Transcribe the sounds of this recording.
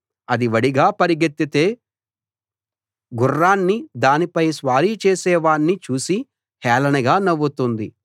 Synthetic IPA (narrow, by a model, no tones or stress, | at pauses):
ɐd̪iʋɐɽiɡaːpɐɾiɡet̪ːit̪eː | ɡurːaːnːid̪aːnipɐjsʋaːɾiːt͡ʃeːsɛːʋaːɳːit͡ʃuːsi | hɛːlɐnɐɡaːnɐʋːut̪und̪i